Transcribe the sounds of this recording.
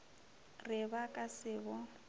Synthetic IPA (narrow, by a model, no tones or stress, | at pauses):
rɪbakʼasɪːbɔ